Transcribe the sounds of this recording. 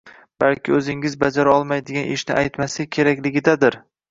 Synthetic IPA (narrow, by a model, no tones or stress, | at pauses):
b̥alkʲɪɵzɪŋɪzbad͡ʒaɾaɒlˠmajd̪eɡʲanʔeʃnɪʔajt̪masɪkʲʰe̞ɾakʲlɪɡʲɪd̪ad̪ɪɾ